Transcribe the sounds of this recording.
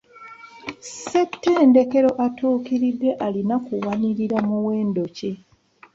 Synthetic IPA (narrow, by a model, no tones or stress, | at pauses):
setːeːnde̞ke̞ɾo̞ʔatuːkiɾidːe̞ʔalinakuwaniɾiɾamuwe̞ːndo̞ce